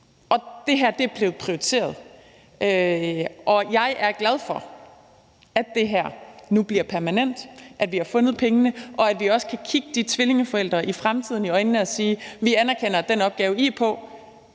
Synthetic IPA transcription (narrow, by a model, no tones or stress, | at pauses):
ʔɒ̽d̥e̝ɦæɐ̰d̥e̝æɐb̥le̝ːð̩ˠpʰʁioit͡sʰe̝̰ːɐð̞ˠ | ʔø | ʔɒ̽jɑ̈ɪʔæɐɡ̥læð̞ˠfɒ̽ | æd̥ːe̝ɦæɐ̰nub̥liɐpʰæɐmænen̰d̥ʔæd̥ʋihɑ̈fɔ̽nð̩ˠpʰeŋənəʔɒ̽æd̥ʋiɒ̽sə̥kʰækʰiɡ̥əd̥it͡sʰʋile̝ŋəfɒ̽el̰d̥ʁɐʔifʁamt͡sʰiðˠn̩iɒ̽ɪnnəæsiːʋiænæɐkʰen̰ɐd̥enɒ̽b̥̚ɡ̥ɛːʊəipʰɒ̽